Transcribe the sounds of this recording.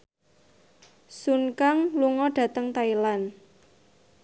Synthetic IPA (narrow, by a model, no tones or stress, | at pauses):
sunkaŋluŋɔɖ̥ä̤t̪əŋt̪ailan